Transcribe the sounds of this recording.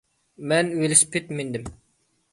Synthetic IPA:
mɛnwelɪʃpʰet̪mend̪ɪm

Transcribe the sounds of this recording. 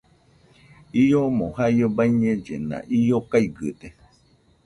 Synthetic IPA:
ijomõhajobaiɲẽd͡ʒḛnã̰ʔijokaiɡɨ̰t̪e

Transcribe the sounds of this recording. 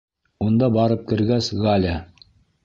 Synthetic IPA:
und̪ɑbɑɾɤp̚kɘ̆ɾɡæsɡalʲa

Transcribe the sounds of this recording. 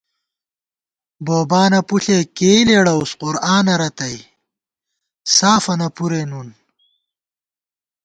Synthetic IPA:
boːbaːnɐpuɬekeːleɽɐusqʊɾaːnɐɾɐt̪ɐj | saːfɐnɐpuɾenun

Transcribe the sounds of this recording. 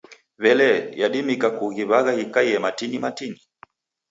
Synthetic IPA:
βɛlɛjaɗimikakuɣiβaɣahikaiɛmatinimatini

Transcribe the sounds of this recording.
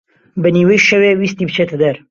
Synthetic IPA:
bɨniːwəjʃɐwewiːst̪iːbɨt͡ʃʰet̪ʰəd̪ɐɾ

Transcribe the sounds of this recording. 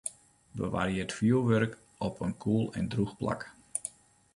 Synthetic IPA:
bə̰ʋa̰rjɪətfjuəlˠʋørk | ɔpʰənkʰuəlˠɛ̰ndruxpla̰k

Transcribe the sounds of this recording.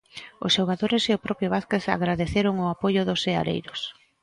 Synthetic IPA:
ʊsʃoɣaðoɾeseʊpɾɔpɾjʊβaθkeθa̰ɣɾaðeθeɾoŋʊapojʊðosea̰ɾḛjɾos

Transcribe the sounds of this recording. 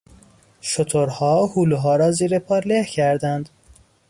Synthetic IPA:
ʃot̪ʰoɾhɒːhuːluɦɒːɾɒːziːɾepʰɒːɾlehcʰæɾd̪ænd̪̥

